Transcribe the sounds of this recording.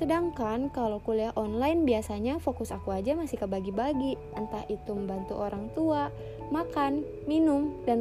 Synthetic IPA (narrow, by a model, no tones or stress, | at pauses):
sədaŋkankalowkuləahʔɔnlajnbiasaɲafokusakuad͡ʒamasɪhkəbaɡibaɡi | ənt̪ahit̪uməmbant̪uʔoɾaŋt̪ua | makan | minʊmdan